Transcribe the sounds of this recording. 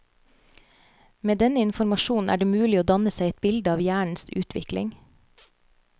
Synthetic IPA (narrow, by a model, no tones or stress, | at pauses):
meːd̪ɛnəɪnfɔɾmɑʃuːn̩ʔæ̰ːɖeːmʉːlɪoːd̪ɑnəsæɪɛt̪̚bɪld̪əɑːʋjæːɳ̩sʉ̰ːt̪ʰʋɪ̰klɪ̰ŋ